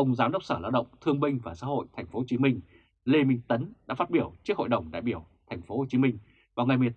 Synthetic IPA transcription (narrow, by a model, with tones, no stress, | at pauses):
ʔə˧wŋ͡mzaː˨˦mɗə˦˥k͡p̚səː˧˩laː˧wɗə̰˧˨wŋ͡mt̪ʰɨ˧əŋmï˧ŋ̟vaː˨˩sa̰ː˧˥ɦo̰˧˨jt̪ʰɛ˨˩j̟fo˨˦˨t͡ɕi˨˦mï˧ŋ̟ | le˧mï˧ŋ̟t̪ə˨˦nɗa̰ː˧˥faː˦˥t̚ɓi˧˩əwt͡ɕɨ˦˥ək̚ho̰˧˨jɗə˨˩wŋ͡mɗa̰ː˧˨jɓi˧˩əwt̪ʰa˨˩ŋ̟fo˨˦ho˨˩t͡ɕi˨˦mï˧ŋ̟ | vaː˨˩wŋa˨˩jmi˨˩ət